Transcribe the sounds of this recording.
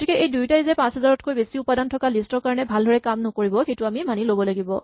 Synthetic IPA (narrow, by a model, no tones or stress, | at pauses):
otʰikɛʔejdujtajzɛpãsɦɛzaɹɔtkojbesiʊpadantʰɔkalistɔɹkaɹɔnɛbʱaldʱɔɹɛkamnɔkoɹibɔxetʊamimanilobɔlaɡibɔ̰